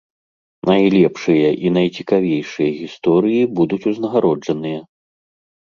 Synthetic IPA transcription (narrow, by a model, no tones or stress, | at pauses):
nɐjlʲɛpʂɨjɐʔinɐjt͡sʲikavʲejʂɨjɐɣʲist̪ɔɾɨjibud̪ut͡sʲuznɐɣaɾɔd͡ʐɐnɨjɐ